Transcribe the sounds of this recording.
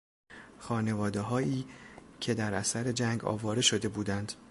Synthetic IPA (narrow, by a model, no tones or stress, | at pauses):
xɒːne̞vɒːd̪e̞ɦɒːiːcʰe̞d̪æɾʔæsæɾe̞d͡ʒæŋɡɒ̰ːvɒːɾe̞ʃo̞d̪e̞buːd̪ænd̪̥